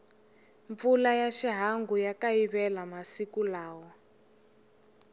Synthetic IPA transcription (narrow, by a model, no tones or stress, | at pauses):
ɱp̪fulajaʃiɦaŋɡujakaiβɛlamasikulaːwɔ